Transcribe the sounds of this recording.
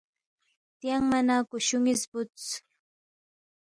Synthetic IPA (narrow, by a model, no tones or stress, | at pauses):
t̪jaŋmanakʊʃʊŋɪspʊt͡sʊ̥